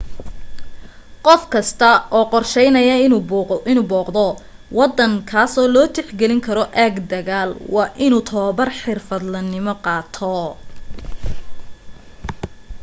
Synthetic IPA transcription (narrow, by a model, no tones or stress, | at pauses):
qɔfkʰɐst̪ʰɐɔːqɔrʃɛjnɐjɐɪɪnuːbɔːqd̪ɔ | wɑd̪ɐŋkʰaːsɔːlɔːt̪ʰɛħɡɛlɪŋkʰɐɾɔʔaɡd̪ɐɣaːlwɑːʔɪnuːt̪ʰɔːbɐrħɪrfɐd̪lɐnɪmɔqɑːt̪ʰɔ